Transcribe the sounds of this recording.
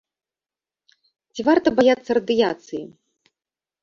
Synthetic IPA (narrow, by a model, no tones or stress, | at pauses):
t͡sʲivart̪ɐbajat̪sːɐɾɐd̪ɨjat̪sɨjḭ